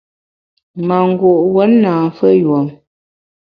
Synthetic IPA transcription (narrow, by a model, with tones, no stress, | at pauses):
ma˨ŋ̩˦ɡo˨ʔwə˨˦nːaː˨fə˦jwɔ˨m